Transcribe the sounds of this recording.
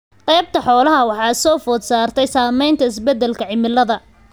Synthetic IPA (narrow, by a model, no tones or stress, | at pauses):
qɛjb̚t̪ʰɐħɔːlɐɦɐwɑħɑːɪsɔːfɔːd̪saːrt̪ʰɛjsaːmɛjnt̪ʰɐɪs̬bɛd̪ːɛlkʰɐʕɪmɪlɐðɐ